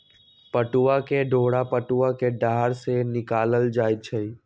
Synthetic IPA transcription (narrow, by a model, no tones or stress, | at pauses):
pəʈuʋakeɖʱoːɽapəʈuʋakeɖaːɾsenɪkaːləld͡ʒaːjt͡ʃʰəi